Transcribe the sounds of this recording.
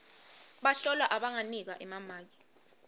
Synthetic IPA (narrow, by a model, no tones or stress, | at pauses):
ɓaɬɔlwaʔaɓaŋanik̬aʔɛmamaːk̬i̥